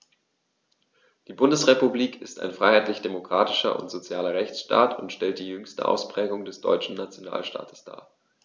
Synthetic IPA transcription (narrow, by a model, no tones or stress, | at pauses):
d̥iːbʊndəsʁepubliːkʰɪsta̰ɪnfʁ̥aɪhaɪtlɪçd̥emokʁ̥aːtɪʃɐ̰ʔʊ̰ntz̥ot͡sjaːlɐʁɛçt͡sʃta̰ːtʰʊntʃtɛlt̚d̥iːjʏŋstə̰ʔa̰ʊspʁ̥ɛːɡʊŋdɛsd̥ɔ̰ʏt͡ʃn̩nat͡sjona̰ːlʃta̰ːtʰə̥sd̥a̰ː